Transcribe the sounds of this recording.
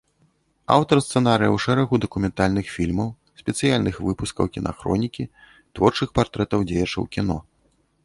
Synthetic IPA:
a̰wt̪ɐrst̪sɛnaɾɨjɐ̰wʂɛɾɐɣud̪ɐkumʲɛnt̪alʲnɨxfʲilʲmɐw | sʲpʲɛt̪sɨjalʲnɨxvɨpuskɐ̰wkʲina̰xɾɔ̰nʲikʲi | t̪vɔrt͡ʂɨxpart̪ɾɛt̪ɐwd͡zʲejɐt͡ʂɐ̰wkʲin̪ɔ

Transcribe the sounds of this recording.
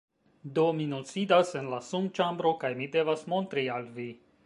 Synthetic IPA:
do̞minosidase̞nlasumt͡ʃambɾo̞kajmide̞vasmo̞ntɾialvi

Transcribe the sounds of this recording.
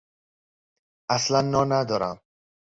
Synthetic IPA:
aslanːɒnad̪ɔɾa̰m

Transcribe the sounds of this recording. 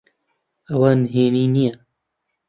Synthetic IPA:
ɐwanɦeːninija

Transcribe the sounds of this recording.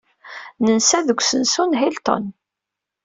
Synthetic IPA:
nənsæðəɡʷsənsunɦilt̪o̰n

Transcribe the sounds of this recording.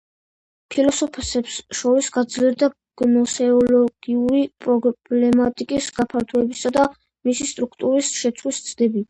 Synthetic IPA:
pʰilɔsɔpʰsɛpsʃɔɾisɡad̪zliɛɾd̪a | ɡ̥nɔsɛɔlɔɡ̥iuɾipʼɾɔblɛmat̪ʼikʼisɡapʰaɾt̪ʰuɛbisad̪a | misist̪ʼɾukʰt̪ʼuɾisʃɛt̪sʰlist̪sʰʼd̪ɛbi

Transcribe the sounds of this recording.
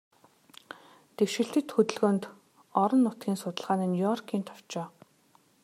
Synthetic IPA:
t̪ewʃɪ̆ɬt̪ɘ̆t̪xɵt̪ɵ̆ɮɣoːnt̪ | ɔɾɞ̆nːʊt̪ɡʲiːnsʊt̪ə̆ɮʁaːniːnʲujɔrkʰiːnt̪ʰɔw̥t͡ɕɔː

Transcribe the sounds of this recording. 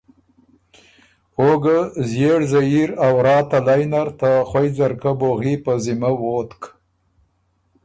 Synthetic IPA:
oɡəzjeɽzaiɾawɾɑːt̪alajnaɾt̪axwajzaɾkəboɣipəzimawot̪k

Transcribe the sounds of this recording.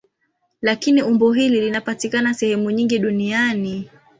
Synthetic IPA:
lakiniumbɔɦililinapatikanasɛhɛmuɲiŋɡiɗuniani

